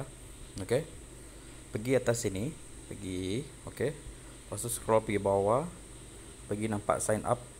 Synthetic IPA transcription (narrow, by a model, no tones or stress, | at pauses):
oke | pəɡiat̪asini | pəɡi | oke | pasuskɾɔlpəɡibawa | pəɡinampa̰ʔsajnʔa̰p̚